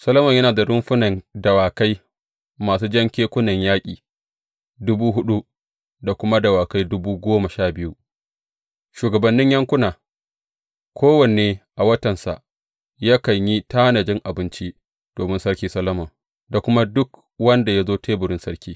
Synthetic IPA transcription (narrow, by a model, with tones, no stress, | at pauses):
sɐ˦lɐ˦mɐ˨ɲjɐ˦naː˨da˨ɽʊ˦mɸʊ˦nɐ˨ndɐ˨waː˨ka˦j | maː˨suː˦d͡ʒɐ˦ŋkʲeː˦kʷʊ˦nɐ˨ɲjaː˦kʲʼḭː˨ | dʊ˦buː˦ɦʊ˦ɗu˦ | da˨kʷʊ˦ma˦dɐ˨waː˨ka˦jdʊ˦buː˦ɡʷoː˦ma˨ʃaː˦˨bɪ˦ju˦ | ʃuː˨ɡɐ˨bɐ˨nːɪ˦ɲjɐ˦ŋkʷʊ˦naː˨ | kʷoː˦wɐ˨neː˨ʔa˨wɐ˦tɐ˨nsa̰˨ʔ | jaː˦kɐ˨ɲji˦taː˦nɐ˨d͡ʒɪ˦ŋʔa˨bɪ˦nt͡ʃi˦ | d̥oː˨mɪ˦nsɐ˦ɽkʲiː˦sɐ˦lɐ˦mɔ˨ŋ | da˨kʷʊ˦ma˦dʊ˦k | wɐ˦nda˨ja˦zoː˦tʰeː˦bʊ˨ɽɪ˦nsɐ˦ɽkʲiː˦